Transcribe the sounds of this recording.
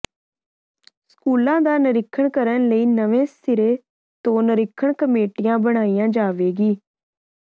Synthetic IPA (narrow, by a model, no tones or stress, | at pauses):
skuːlãːd̪aːnəɾɪkʰːəɳkəɾənləiːnəʋẽːsɪɾeː | t̪õːnəɾɪkʰːəɳkəmeːʈɪjãːbəɽ̃aːijãːd͡ʒaːʋeːɡiː